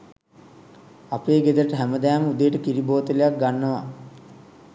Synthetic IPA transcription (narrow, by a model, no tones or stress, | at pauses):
apeːɡed̪əɾəʈəɦæməd̪æːməud̪ejəʈəkiɾiboːt̪əlejak̚ɡanːəʋa̰